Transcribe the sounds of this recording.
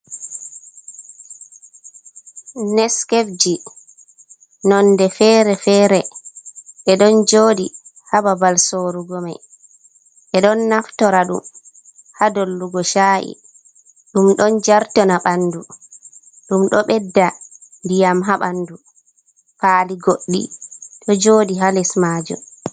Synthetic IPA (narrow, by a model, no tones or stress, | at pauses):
nɛskefd͡ʒi | nɔndɛfɛːɾɛfɛːɾɛ | ɓɛɗɔnd͡ʒoːdi | hababalsoɾuɡɔmɛ | ɓɛɗɔnːaftɔɾaɗṵm | hadolːuɡɔʃaʔḭ | ɗumɗɔnd͡ʒaɾtɔnaɓandu | ɗumɗɔɓɛdːandijamɦaɓandu | paːliɡoɗːḭɗɔd͡ʒoːdiɦalɛsmaːd͡ʒṵm